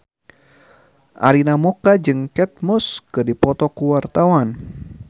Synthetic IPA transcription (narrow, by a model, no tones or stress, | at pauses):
ʔa̰ɾinamɔkad͡ʒɨŋkɛt̪̚mɔskɨdipɔt̪ɔkuwart̪awan